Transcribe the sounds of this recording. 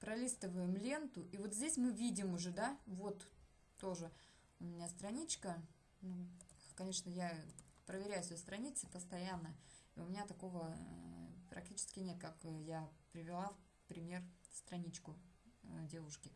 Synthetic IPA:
pɾɐlʲist̪əvəjɪmlʲe̞nt̪ʊʔivo̞t̪zʲdʲesʲmɨvʲidʲɪmʊʐɛd̪avo̞t̪ | t̪o̞ʐɨ | ʊmʲɪnʲast̪ɾɐnʲit͡ɕkə | nukɐnʲe̞ʂnəjapɾəvʲɪɾʲæjʊsʲest̪ɾɐnʲit̪sɨpəst̪ɐjanːə | iʊmʲɪnʲat̪ɐko̞və | pɾɐ̰k̚tʲit͡ɕɪ̥skʲɪnʲe̞t̪̚kakjapɾʲɪvʲɪlˠaf | pɾʲɪmʲe̞r | st̪ɾɐnʲit͡ɕkʊ | dʲe̞vʊʂkʲɪ

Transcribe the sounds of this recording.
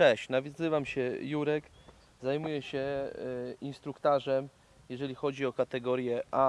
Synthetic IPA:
t͡ʂɛɕnavʲjɔzɘvamɕɛjuɾɛk | zajmujɛɕɛ | inst̪ɾukt̪aʐɛm | jɛʐɛlʲixɔd͡ʑiɔkat̪ɛɡɔɾjɛʔa

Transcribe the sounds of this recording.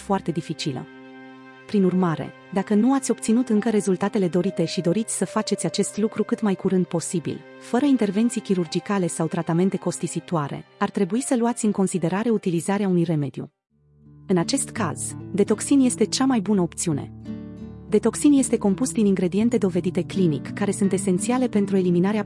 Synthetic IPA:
foart̪e̞d̪ifit͡ʃilə̰ | pɾinurmaɾe̞̰ | d̪akənuat̪sʲo̞p̚t̪sinut̪ɨŋkəɾe̞zult̪at̪e̞le̞d̪o̞ɾit̪e̞ʃid̪o̞ɾit̪sʲsəfat͡ʃe̞t̪sʲat͡ʃe̞st̪lukɾukɨt̪majkuɾɨnd̪̚po̞sibḭl | fəɾəint̪e̞rve̞nt̪sijkʲiɾurd͡ʒikale̞sawt̪ɾat̪ame̞nt̪e̞ko̞st̪isit̪waɾe̞̰art̪ɾe̞buisəluat̪sʲɨŋko̞nsid̪e̞ɾaɾe̞ut̪ilizaɾeaunujre̞me̞d̪̥jṵ | ɨnat͡ʃe̞st̪ka̰z̥d̪e̞t̪o̞ksinje̞st̪e̞t͡ʃamajbunəo̞pt̪siune̞̰ | d̪e̞t̪o̞ksinje̞st̪e̞ko̞mpusd̪iniŋɡɾe̞d̪ie̞nt̪e̞d̪o̞ve̞d̪it̪e̞klinḭkːaɾe̞sunt̪e̞se̞nt̪siale̞pe̞nt̪ɾue̞liminaɾea

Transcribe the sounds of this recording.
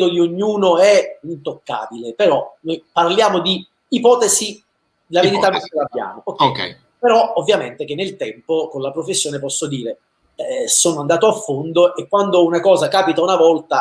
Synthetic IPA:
d̪od̪ioɲːuːnoɛint̪okːa̰ːbilepeɾɔnojparljaːmod̪iː | pɔːt̪ezi | d̪laveɾiaabja̰ːmookːɛk | peɾɔovːjament̪ek̟enːelt̪ɛmpokonlapɾofesːjoːnepɔsːod̪iːɾe | soːnoand̪aːt̪oafːond̪oʔekːwand̪ounakɔːzakaːpit̪aunavɔlt̪a

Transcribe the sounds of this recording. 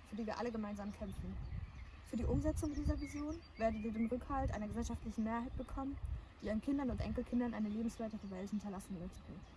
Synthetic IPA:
fyːɐdiːviːɐʔaləɡəmaɪnzaːmkʰɛmfn̩ | fyːɐdiːʔʊmzɛt͡sʊŋdiːzɐvizjoːnveːɐdn̩viːɐdeːnʁʏkhaltʔa̰ɪnɐɡəzɛlʃaftlɪçn̩meːɐɦaɪt̚b̥əkʰɔmənd̥iːʔiːənkʰɪndɐnʊntʔɛŋkl̩kʰɪndɐnʔa̰ɪnəleːbm̩sv̥eːɐtəʁəvɛlthɪntɐlasn̩vɪɐt

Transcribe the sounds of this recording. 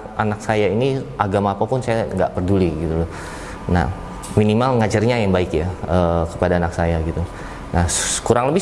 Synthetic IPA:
ʔanaksajainiʔaɡamaːpapʊnsajaŋɡaʔpərduliɡit̪ulʊ | na̰h | minimalŋad͡ʒarɲajaŋbaɪkjaəkə̥padaːnaksajaɡit̪u | nahkuɾaŋləbɪ

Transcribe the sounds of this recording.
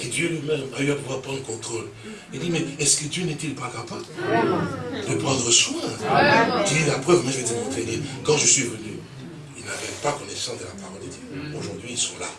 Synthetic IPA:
ed̪jølɥimɛmayapovwaʁd̪əpʰʁɑ̃d̪əkɔ̃t̪χol | id̪imɛɛskəd̪jønɛt̪ilpakapabl | d̪əpχɑ̃d̪ʁəswɛ̃ | kililapχœvmɛ̃ʒəmɛt̪ɛmɑ̃t̪ɛnekɑ̃ʒəsɥivəny | ilnaʁɛvpakɔnɛsɑ̃sd̪əlapaʁɔld̪əd̪jøoʒuʁd̪ɥiːlsɔ̃la̰

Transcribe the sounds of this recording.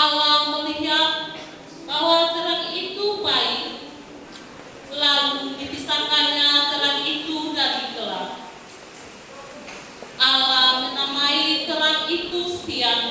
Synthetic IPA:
ʔalaməliɦat̪̚ | baɦwat̪əɾənit̪ubaɪk̚ | laludipisakaɲat̪əɾanit̪udaɾit̪əɾa̰ŋ | ʔalamənamait̪əɾaŋit̪usian

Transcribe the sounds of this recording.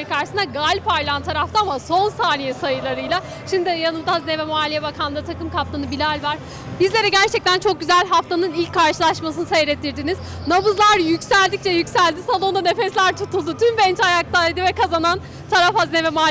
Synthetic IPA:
kʰaɾʃɯsɯnd̪aɡalʲpaɾlˠant̪ʰaɾaft̪ʰaːmaso̞nsaːnijɛsajɯlˠaɾɯjlˠa | ʃimd̪ijanɯmd̪aaznevɛmoaːlʲijɛbakʰanˠɯɾɯt̪ʰakɯmkʰaft̪ʰanɯbilʲalʲvaɾ̥ | bizlʲe̞ɾɛɟæɾt͡ʃʰɛc̚t̪ʰænt͡ʃʰo̞k̚ɟyzælʲɦaft̪ʰanɯnilʲcʰːaɾʃɯlˠaʃmas̬ɯnɯsejɾɛt̪ʰːiɾd̪iniz̥ | nabɯzlˠaɾjycsælʲd̪ic̚t͡ʃɛjycsælʲd̪isalˠo̞nd̪ane̞fɛslʲæɾt̪ʰut̪ulˠd̪ut̪ʰymbɛnt͡ʃajak̚t̪ʰajd̪ɯvɛkʰazanan | t̪ʰaɾafhaznevɛmoa

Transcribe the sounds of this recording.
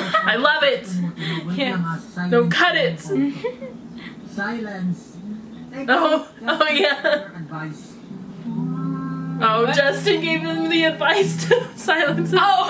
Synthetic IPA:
aɪlʌvɪt̚ʰ | æ̃dõʊ̃nkʰʌɾɪt̚ | oʊoʊjæ | ɪ | ʔoʊd͡ʒʌstɨ̃nɡeɪvɨðmðiɨdvaɪstʰɨsaɪlˠɨ̃ns

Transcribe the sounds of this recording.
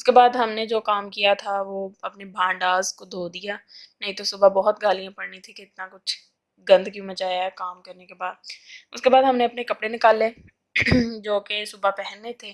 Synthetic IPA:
ʊskebaːd̪ɦɐmned͡ʒoːkaːmkijat̪ʰaʋoɐpnebʱãːɖaːzkod̪ʱoːd̪ijaːnɐɦĩt̪osʊbabɔɦʊt̪ɡaːlijãpɐɽnit̪ʰĩkɪɪt̪nakʊt͡ʃʰ | ɡɐ̃nd̪kjũmɐt͡ʃaːjaɛkaːmkɐɾnekebaːd̪̚ʊ̰skebaːd̪ɦɐmneɐpnekɐpɽenɪkaːlːeː | d͡ʒoːkesʊbapɛɦɛnːet̪ʰeː

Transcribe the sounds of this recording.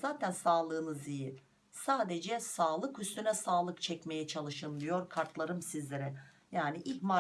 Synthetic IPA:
zaːt̪ʰænsaːlˠɯːnɯziji | saːd̪ed͡ʒɛsaːlˠɯkyst̪ʰynɛsaːlˠɯkt͡ʃʰɛcme̞jɛt͡ʃʰalˠɯʃɯnd̪ijo̞ɾkʰaɾt̪ʰlˠaɾɯmsizlʲeɾɛ | jaːniʔima

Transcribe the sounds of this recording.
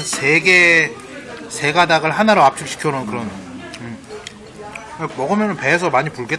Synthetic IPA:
nse̞ɡe̞ | sʰe̞ɡadaɡɯɭhanaɾoap̚t͡ɕ͈ʰuɭɕʰi̥kʰjʌnɯnkɯɾʌnɯ | amʌɡɯmjʌnɯnpe̞ːs̬ʰʌmaɲipuɭɡet

